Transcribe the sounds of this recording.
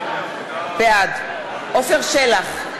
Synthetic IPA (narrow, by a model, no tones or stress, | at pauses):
bead | ʔofeʁʃelaχ